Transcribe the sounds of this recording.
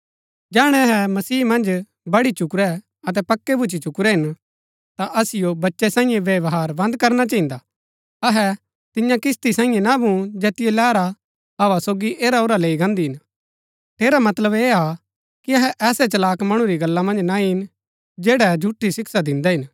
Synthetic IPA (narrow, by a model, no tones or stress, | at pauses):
d͡ʒɛːɽ̃ɛɐɦɛmɐsiːmɐ̃nd͡ʒ | bɐɽit͡ʃʊkɾɛ | ɐt̪ɛpɐkːebʱʊt͡ʃit͡ʃʊkɾɛɦɪn | t̪aʔɐsɪjobɐtːʃɛsãːĩjẽʋjɐʋɦaːɾbɐ̃nd̪̚kɐɾnat͡ʃaːɦɪ̃nd̪a | ɐɦɛ | t̪ɪjãkɪst̪isãːĩjẽnabũd͡ʒeːt̪ɪjelɛːɾa | ɦɐʋasoːɡiʔeːɾaoːɾaleːiɡãːnd̪iɦɪn | ʈʰeːɾamɐt̪ləbeːa | kiɐɦɛʔɛːsɛt͡ʃɐlaːkmɐɽ̃ũɾiɡɐlːamɐ̃nd͡ʒnaiɪn | d͡ʒeːɽɛd͡ʒʱuʈʰːisɪksad̪ɪ̃nd̪ɛɦɪn